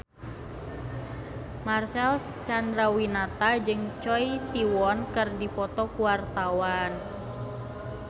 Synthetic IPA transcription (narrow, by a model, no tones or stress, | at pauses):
marsɛl | t͡ʃandɾawinat̪ad͡ʒɨŋt͡ʃɔisiwɔnkɨrdipɔt̪ɔkuwart̪awan